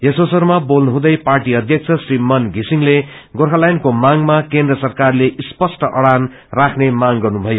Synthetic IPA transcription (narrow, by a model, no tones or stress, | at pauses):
jʌsosʌɾmabolnuɦũd̪ʌjparʈiʌd̪ʱjʌk̚t͡sʰʌsrimʌnɡʱisiŋleɡorɦʌlajnkomaŋmakẽndrʌsʌrkarleʔispʌsʈʌʔʌɽan | rakʰnemaŋɡʌrnubʱʌjo